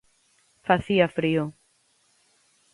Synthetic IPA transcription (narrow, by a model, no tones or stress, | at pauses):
faθiafɾio